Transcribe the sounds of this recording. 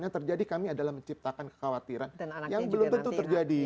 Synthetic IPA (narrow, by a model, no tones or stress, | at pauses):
ɲat̪ərd͡ʒadikamiadalahməɲt͡ʃip̚t̪akankə̥kawat̪iɾanjaŋbəlʊmt̪ənt̪ut̪ərd͡ʒadi